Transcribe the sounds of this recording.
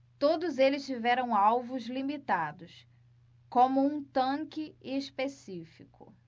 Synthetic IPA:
t̪od̪ʊzelɪst͡ʃivɛɾɐ̃w̃awvʊzlimit̪ad̪ʊs | kõmʊũt̪ɐ̃kɪespesifikʰʊ̰

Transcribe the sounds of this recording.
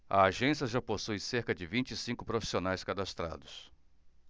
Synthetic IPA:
ɐ̰aʒẽsiɐʒaposujseɾkɐd͡ʒɪvĩt͡ʃɪsĩkʊpɾofi̥sionajskad̪ast̪ɾa̰d̪ʊs

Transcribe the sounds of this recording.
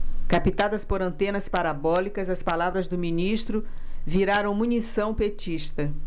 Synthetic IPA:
kapit̪ad̪ɐspoɾɐ̃nt̪ẽnɐspaɾabɔlikɐzɐspalavɾɐzd̪ʊmĩniʃt̪ɾʊviɾaɾɐ̃w̃mũnisɐ̃w̃pet͡ʃiʃt̪ɐ

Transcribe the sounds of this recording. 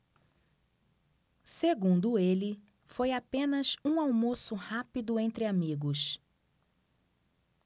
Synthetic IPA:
seɡũnd̪ʊelɪ | fojapẽnɐsũawmosʊhapid̪ʊẽnt̪ɾɪamiɡʊs

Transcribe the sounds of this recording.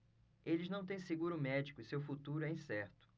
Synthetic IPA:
elɪznɐ̃w̃t̪ẽj̃seɡuɾʊmɛd͡ʒikʊɪsewfut̪uɾʊɛĩsɛɾt̪ʊ̥

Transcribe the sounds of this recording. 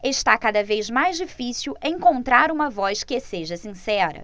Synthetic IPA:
eʃt̪akad̪ɐvezmajzd͡ʒifisiwʔẽŋkõnt̪ɾaɾũmɐvɔskeseʒɐsĩsɛɾɐ̰

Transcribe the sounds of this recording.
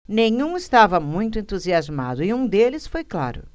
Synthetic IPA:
nẽj̃ũɪst̪avɐmũj̃t̪ʊẽnt̪uziazma̰d̪ʊɪũd̪elɪsfojkla̰ɾʊ̰

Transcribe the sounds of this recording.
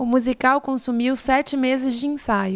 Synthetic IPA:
ʊmuzikawkõsumiwsɛt͡ʃɪmezɪzd͡ʒɪẽsajʊ

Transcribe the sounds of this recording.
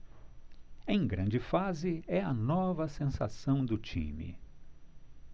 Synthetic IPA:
ẽj̃ɡɾɐ̃nd͡ʒɪfazɪɛɐnɔvɐsẽsa̰sɐ̃w̃d̪ʊt͡ʃḭ̃mɪ̰

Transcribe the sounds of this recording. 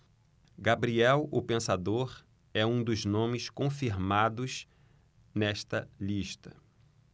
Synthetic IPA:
ɡabɾiɛwʊpẽsad̪oɾ | ɛũd̪ʊznõmɪskõfiɾmad̪ʊz | nɛʃt̪ɐliʃt̪ɐ

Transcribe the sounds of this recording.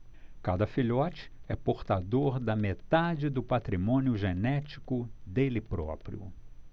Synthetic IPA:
kad̪ɐfiʎɔt͡ʃɪ̥ɛpoɾt̪ad̪oɾd̪ɐmet̪ad͡ʒɪd̪ʊpat̪ɾimõnʊʒenɛt͡ʃi̥kʊd̪elɪpɾɔ̰pɾḭʊ̰

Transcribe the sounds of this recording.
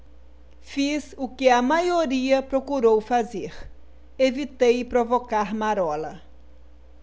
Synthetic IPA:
fizukɪɐmajoɾiɐpɾokuɾowfazeɾ | evit̪ejpɾovokaɾmaɾɔlɐ

